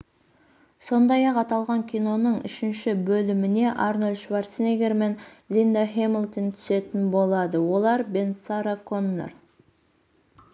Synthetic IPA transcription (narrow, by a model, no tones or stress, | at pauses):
so̞nd̪ɑjɑqɑt̪ɑlˠʁɑŋkʲʰijno̞nəɴʏ̰ʃɪnʃɪbɵlɪmɪne̞ʔɑrnolʲʃvaɾsneɡʲeɾme̞nlʲind̪ahemilt̪ont̪ʰʏ̥se̞t̪ɪnbo̞lˠɑd̪əwo̞lˠɑɾbe̞nsaɾakʰonːḛr